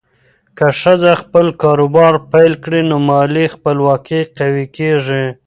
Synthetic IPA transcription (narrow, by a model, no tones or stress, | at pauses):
kaʂədaxpəlkɑɾobɑɾpajlkɽinomɑlixpəlwɑkiqawikeʐi